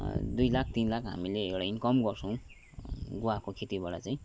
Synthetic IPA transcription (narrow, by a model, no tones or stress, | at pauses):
d̪ujlak̚ʰt̪inlakɦa̰mileekɽajnkʌmɡʌrt͡sʰʌ̃w̃ | ɡowakokʰet̪ibaɽat͡saĩ